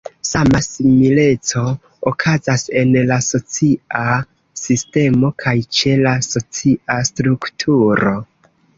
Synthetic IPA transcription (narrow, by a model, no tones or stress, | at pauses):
samasimile̞t͡so̞ː | kʰazase̞nlaso̞t͡sia | siste̞mo̞kʰajt͡ʃe̞laso̞t͡siastɾuktʰuɾo̞